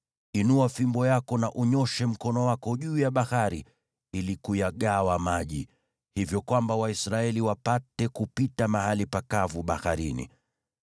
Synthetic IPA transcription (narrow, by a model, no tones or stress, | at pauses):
inuafimbɔjakɔnaʔuɲɔʃɛm̩kɔnɔwakɔʄuːjaɓahaɾi | ilikujaɠawamaʄi | hivjɔkwambawaisɾaɛliwapatɛkupitamaɦalipakavuɓaxaɾinḭ